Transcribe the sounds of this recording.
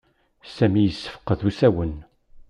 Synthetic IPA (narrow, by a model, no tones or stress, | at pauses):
sæmijəsːə̥fə̥qːəðusæwən